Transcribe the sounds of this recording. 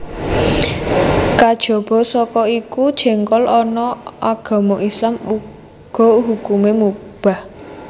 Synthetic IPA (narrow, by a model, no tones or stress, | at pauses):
kad̥ʒ̥ɔ̤b̥ɔ̤sɔkɔikud̥ʒ̥ɛ̤ŋkɔlɔnɔaɡ̥a̤mɔʔislamu | ɡ̥ɔ̤uɦukumemub̥a̤h